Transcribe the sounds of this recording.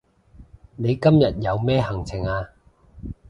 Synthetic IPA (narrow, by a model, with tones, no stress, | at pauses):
ne˨˧jkɐ˥mjɐ˨t̚jɐ˨˧wmɛː˥ɦɐ˨˩ŋt͡sʰɪ˨˩ŋaː˧